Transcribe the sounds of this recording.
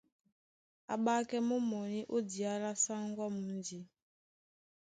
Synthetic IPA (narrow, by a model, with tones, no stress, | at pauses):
a̰˨ɓa˦kɛ˦mo˦mɔ˨ni˦ʔo˦di˨a˦la˦sa˦ŋ˦ɡwa˦mu˨nd͡ʒi˨